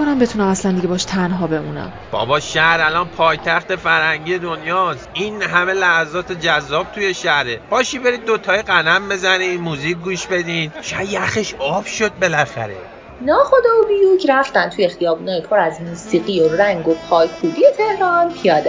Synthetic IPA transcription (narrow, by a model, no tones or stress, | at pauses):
onæmbe̞t̪ʰunæmæslænd̪iɡɟe̞bɒːʃt̪ʰænɦɒːbe̞muːnæ̰m | b̥ɒ̰ːbɒːʃæhɾælɒːnpʰɒːjt̪ʰæxt̪efæɾhæŋɟiːjed̪o̞njɒːsiːnɦæme̞læhæzɒːt̪ʰe̞d͡ʒæzːɒːb̥̚t̪ʰuje̞ʃæhɾeb̥ɒːʃibe̞ɾid̪̚ːot̪ʰɒːjeɡænæmbe̞zæniːd̪muːziːk̚ʲɡuːʃbe̞d̪iːd̪ʃajæxeʃɒːb̥ʃod̪̚be̞læxæ̰ɾḛ | nɒːχod̪ɒbijucʰɾæft̪ænt̪ʰuje̞xijɒːbuːnɒːjepʰoɾæzmuːsiːɢioræŋɡo̞pʰɒːjkʰuːlijet̪ʰe̞hɾɒːnpʰijɒːd̪e